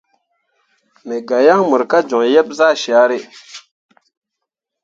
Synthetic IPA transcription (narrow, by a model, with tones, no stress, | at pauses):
mɛ˨ɡa˨ja˦ŋmu˨ɾka˦d͡ʒɔ˨ŋjɛ˦b̚za˦˨ʃa˨˦ɾɪ˦